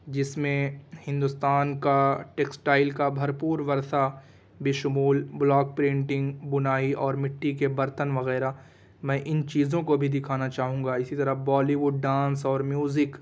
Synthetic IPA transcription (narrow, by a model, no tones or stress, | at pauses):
d͡ʒɪsmẽhɪ̃nd̪ʊst̪aːnkaʈeːksʈaːɪlkabʱɐɾpuːɾʋɐɾt̪a | beːʃʊmuːlblɔːk̚pɾẽːɳʈɪ̃ŋɡbʊnaːiɔːɾmɪʈːikebɐɾt̪ənʋɐɣɛːɾa | mɛ̃ːʔɪnt͡ʃiːzõkobʱid̪ɪkʰaːnat͡ʃaːɦũːŋɡaɪsit̪ɐɾəbɔːliʋʊɖːãːnsɔːɾmjuːzɪk